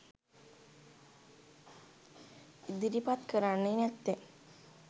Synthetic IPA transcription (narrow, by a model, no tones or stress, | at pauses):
id̪iɾipat̪kəɾaɳːenat̪ːe